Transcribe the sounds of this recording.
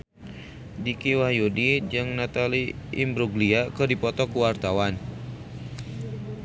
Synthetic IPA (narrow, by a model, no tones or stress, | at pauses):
dikiwahjudid͡ʒɨŋnat̪aliʔḭmbɾuɡliakɨrdipɔt̪ɔkuwart̪awan